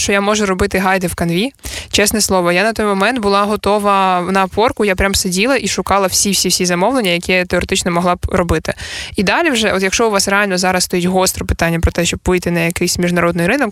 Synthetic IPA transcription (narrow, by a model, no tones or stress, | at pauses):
ʃt͡ʃɔjamɔʒʊɾɔbɪt̪ɪɦɑjd̪ɪwkɐnʋʲit͡ʃɛsnɛslˠɔʋɔjanɐt̪ɔjmɔmɛnd̪̚bʊlˠɑɦɔt̪ɔʋɐnɐːpɔrkʊjapɾʲamsedʲilˠɐʔiʃʊkɑlˠɐwsʲiwsʲiwsʲizɐmɔwlˠenʲːɐjɐkʲɛt̪eɔɾet̪ɪt͡ʃnɔmɔɦlˠɑbɾɔbɪt̪ɪid̪ɑlʲiwʒɛʔɔt̪jɐkʃt͡ʃɔʊʋɑsreɑlʲnɔzɑɾɐsst̪ɔjitʲɦɔst̪ɾɔpɪ̥t̪ɑnʲːɐpɾɔt̪ɛʃt͡ʃɔbʋɪjt̪ɪnɐjɐkɪjsʲmʲiʒnɐɾɔd̪nɪjɾɪnɔk